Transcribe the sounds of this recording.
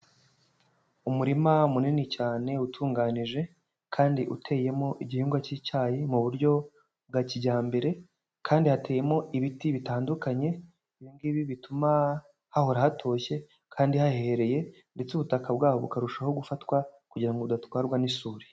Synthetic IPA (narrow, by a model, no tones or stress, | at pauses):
umuɾimamuninicaːne̞utʰuːŋɡaːniʒe̞ | kʰaːndiʔṵtʰe̞ːje̞mo̞ʔiɟihiːŋɡwacicaːjimuβuɾɟo̞ | b̚ɡaciɟaːmbe̞ɾe̞ | kʰaːndihate̞ːjemo̞iβitiβitaːndukaɲe̞ | βiŋɡiβiβituma | haho̞ɾahatʰo̞ːçe̞ | kʰaːndihaheeɾe̞je̞ | nde̞t͡suβutakabɡaːho̞βukaɾuʃaho̞ɡufatwakuɟiɾaŋɡoβudatwaːɾɡwanisuːɾi̥